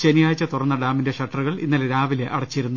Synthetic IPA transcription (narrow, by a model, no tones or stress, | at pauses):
t͡ɕenijaːjt͡ɕːɐt̪urɐnːɐɖaːmindeʂɐʈːɐruɣɐɭḭnːɐlɾaːʋileʔɐɽɐt͡ɕːiiɾunːu